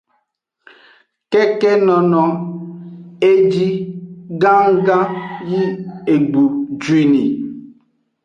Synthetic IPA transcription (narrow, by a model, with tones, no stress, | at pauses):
kɛ˦kɛ˦nɔ˨nɔ˨ | e˦d͡ʒi˦ɡã˦ŋ˦ɡã˦ji˦e˨ɡ͡bu˨d͡ʒwe˨ni˨